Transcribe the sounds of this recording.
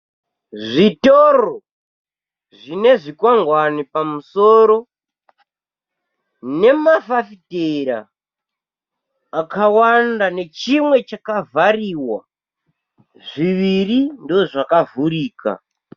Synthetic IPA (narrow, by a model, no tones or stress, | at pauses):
ʐitoro | ʐine̞ʐikwaŋɡwanipamusoːɾo̞ | ne̞mafafiteɾa̰ | kawandane̞t͡ʃimwe̞t͡ʃakavariwa | ʐiʋirindoʐakavuɾiːka̰